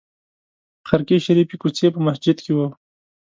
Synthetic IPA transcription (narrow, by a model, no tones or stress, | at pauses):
xaɾkeʃaɾipikut͡sepəmasd͡ʒɪd̪kewə